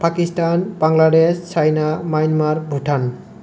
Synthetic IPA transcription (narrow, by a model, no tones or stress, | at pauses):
pakistanb̥aŋlaɖest͡ʃajnamajnmaɾbʱuʈʰan